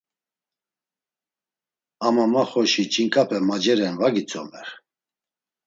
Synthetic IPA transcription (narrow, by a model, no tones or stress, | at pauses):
amamaχɔʃit͡ʃʰʼiŋkʰʼapʰɛmad͡ʒɛɾɛnvaɡit͡sʰʼɔmɛ̰ɾ